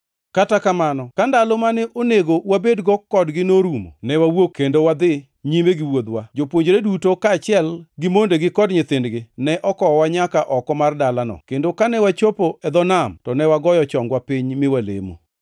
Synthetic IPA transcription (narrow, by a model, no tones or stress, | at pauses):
katakamanɔkandalomanɛʔoneɡowabedɡɔkːɔdɡɪnoɾumo̰nɛwawokendowad̪ɪ | ɲimeɡɪwod̪wad͡ʒopwoɲd͡ʒɾedutokaːt͡ʃɪɛlɡɪmondeɡɪkɔdɲɪt̪ɪndɡɪnɛʔɔkɔwaɲakaʔɔkɔmardalanɔ̰kendokanɛwat͡ʃopoɛd̪ɔnamtɔnɛwaɡɔjɔt͡ʃɔŋɡwapɪɲmɪwalḛmo̰